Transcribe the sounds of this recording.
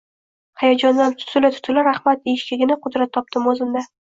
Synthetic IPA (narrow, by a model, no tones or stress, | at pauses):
hajɒd͡ʒɒnd̪ant̪ʰʊ̥t̪ʰʊlat̪ʰʊ̥t̪ʰʊlaɾahmat̪eʃkʲɪɡʲɪnaqʰʊd̪ɾat̪ʰːɒp̚t̪ɪmozɪmd̪a